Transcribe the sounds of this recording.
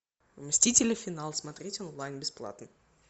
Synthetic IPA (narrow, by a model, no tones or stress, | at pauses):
vmʲsʲtʲitʲɪlʲɪfʲɪnalˠsmɐt̪ɾʲetʲonlˠajnbʲɪsplˠa̰t̪nɨ